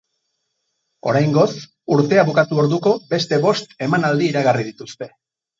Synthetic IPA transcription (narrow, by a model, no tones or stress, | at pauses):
o̞̰ɾajŋɡo̞s | uɾt̪e̞aβukat̪uo̞ɾðuko̞be̞st̪e̞βo̞st̪e̞manald̪iːɾaɣarið̞it̪ust̪e̞